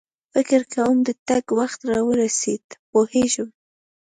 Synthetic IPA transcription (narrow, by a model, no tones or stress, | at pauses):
fɪkɪɾkʰawəmd̪ət̪aɡwaxt̪ɾɑwəɾased̪poheʒəm